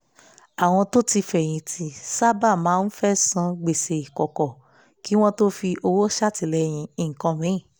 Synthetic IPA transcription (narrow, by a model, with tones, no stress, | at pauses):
a˨w̃ɔ̃˧to˦ti˧fɛ˦˨j̃ĩ˧tʰi˧sa˦ba˦˨mãː˨˦n̩˦fɛ˦sã˧ɡ͡be˨se˨i˨kɔ˨kɔ˨ | ki˨˦w̃ɔ̃˦to˦fi˧ʔo˧wo˦ʃa˦˨ti˨˦lɛ˧˦j̃ĩ˧ĩ˨ŋ̩˨kã˧mĩ˨˦˨